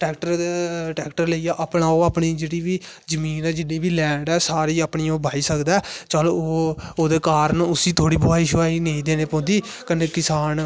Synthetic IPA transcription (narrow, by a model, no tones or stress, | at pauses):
ʈɛːkʈəɾʈɛːkʈəɾleiːjaːʔaːpnaːoːaːpɳiːd͡ʒeːɽiːʋiː | d͡ʒəmiːnɛːd͡ʒɪnːiːbiːlɛːɳɖɛːsaːɾiːaːpɳiːoːbʱaːiːsəkd̪aːt͡ʃəloːoːd̪eːkaːɾənʊsiːt̪ʰoːɽiːbʊaːiːʃoaːiːneĩːd̪eːneːpɔ̃ːnd̪iː | kəneːkɪsaːn